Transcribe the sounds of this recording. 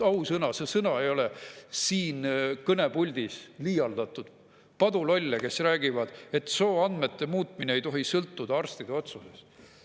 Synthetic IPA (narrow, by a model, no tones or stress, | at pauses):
ɑwsɤnɑsesɤnɑe̞jo̞le̞siːnkɤne̞pulʲd̪̥isliːjɑld̪̥ɑt̪ːˑud̪̥ | pɑd̪ulo̞lʲːɑke̞sræːɡ̥ivɑd̪̥e̞t̪so̞ːɑnd̪me̞t̪ːe̞muːt̪ˑminee̞jt̪o̞ɦisɤlt̪ːud̪ɑɑrst̪id̪̥eo̞t̪suse̞s